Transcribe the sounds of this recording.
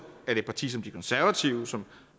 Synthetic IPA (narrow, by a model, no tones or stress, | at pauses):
æɐd̥e̝d̚pʰɑ̈t͡sʰḭːsɒ̽md̥ikʰɔ̽nsæɐʋæt͡sʰiʊsɒ̽m